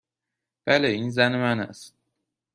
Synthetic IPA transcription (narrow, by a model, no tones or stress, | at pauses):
b̥æleinzænimænæ̰s